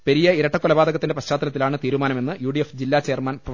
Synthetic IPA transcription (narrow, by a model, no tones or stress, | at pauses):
peɾijɐiɾɐʈːɐkːolɐbaːd̪ɐɣɐt̪ːindeprɐɕt͡ɕaːt̪ɐnɐt̪ːilaːɳɨt̪iːɾumaːnɐme̞nːɨjuːɖijefd͡ʑilːaːt͡ɕe̞ːrmaːnpɐ